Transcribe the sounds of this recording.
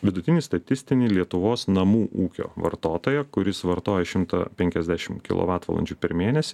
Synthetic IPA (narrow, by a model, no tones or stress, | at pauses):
ʋʲɪd̪ʊt̪ʲɪnʲiːst̪ɐt̪ʲɪsʲt̪ʲɪnʲɪːlʲiɛt̪ʊʋoːsnɐmuːʔuːkʲo̰ːʋɐ̰ɾt̪oːt̪oːjɛkʊɾʲɪsʋɐɾt̪oːjɛʃʲɪmt̪ɐ̰pʲɛŋʲkʲɛzd̪ʲæʃʲɪmkʲɪ̰lˠo̰ːʋɑːt̪ʋɐ̰lˠɐ̰nʲt͡ʃʲd͡ʒʲuːpʲɛɾmʲeːnʲɛsʲɪ